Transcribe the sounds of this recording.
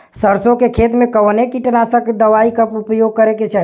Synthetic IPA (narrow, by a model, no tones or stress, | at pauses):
səɾsõkekʰet̪mẽkəʋnekiʈənasə̃ked̪əʋaikəpupjoɡ̚kəɾeket͡ʃaɦi